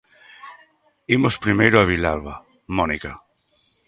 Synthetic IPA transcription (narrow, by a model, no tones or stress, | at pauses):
imospɾimejɾoaβ̞ilalβa | mɔnika